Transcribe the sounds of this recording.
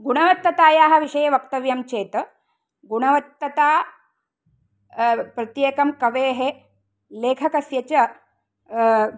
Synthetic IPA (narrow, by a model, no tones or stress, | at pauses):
ɡuɳɐʋɐt̪ːɐt̪aːjaːɦɐ̆ʋiʃɐjɐʋɐkt̪ɐʋjɐmt͡ʃeːt̪ɐ | ɡuɳɐʋɐt̪ːɐt̪aː | pɾɐt̪jeːkɐmkɐʋeːɦe | leːkʰɐkɐsjɐt͡ʃɐ